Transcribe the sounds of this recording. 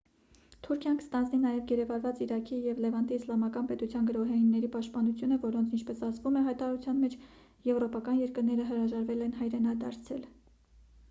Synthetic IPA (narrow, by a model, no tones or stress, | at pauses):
t̪ʰuɾkʰjɑnkə̥st̪ɑnd͡zninɑjɛvɡɛɾɛvɑɾvɑt͡siɾɑkʰijɛvlɛvɑnd̪iːslɑmɑkɑnpɛt̪ut͡sʰjɑnɡəɾɔɦɛinːɛɾipɑʃt̪̚pɑnut͡sʰjunəvɔɾɔnt͡sʰint͡ʃʰpɛsɑzvumɛɦɑjt̪ɑɾɑɾut͡sʰjɑnmɛt͡ʃʰ | jɛvɾɔpɑkɑnjɛɾkəɾnɛɾəɦəɾɑʒɑɾvɛlɛnɦɑjɾɛnɑd̪ɑɾt͡sʰɛ̰l